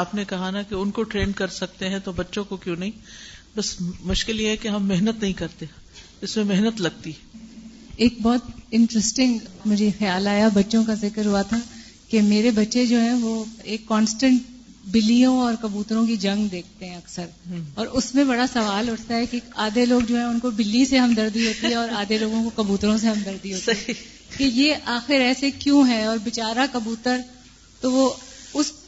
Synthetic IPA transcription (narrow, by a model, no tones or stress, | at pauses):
aːpnekɐɦanakeʊnkoʈɾeːɳɖkɐɾsɐk̚t̪eɦɛ̃t̪obɐtːʃõkokjõːnɐɦĩbɐsmʊʃkɪljeɦɛkeɦɐmːeɦnət̪nɐɦĩkɐɾt̪e | ɪsmẽmɛɦnət̪lɐɡ̚t̪iɦɛ | eːk̚bɔːt̪ɪ̃ɳʈɾəsʈɪ̃ŋɡmʊd͡ʒixɐjaːlaːjabɐtːʃõkazɪkəɾɦuat̪ʰa | kemeːɾebɐtːʃed͡ʒoːɦɛ̃ʋoeːkːɔːnsʈə̃ɳʈ | bɪlːijõɔːɾkɐbuːt̪ɾõkid͡ʒɐ̃ŋɡd̪eːk̚ʰt̪eɦɛ̃ɐksəɾɔːɾʊsmẽbɐɽasɐʋaːlɦʊʈʰt̪aɦɛkiaːd̪eloːɡd͡ʒoːɦɛ̃ʊnkobɪlːiseɦɐmd̪ɐɾd̪iɦoːt̪iɦɛ̃ɔːɾaːd̪ʱeloːɡõkokɐbuːt̪ɾõs̬eɦɐ̃md̪ɐɾd̪iɦoːt̪iɦɛ̃ | keijeʔaːxɪɾɛːsekjũɦɛɔːɾbɪt͡ʃaːɾakɐbuːt̪əɾ | t̪oʋoʊs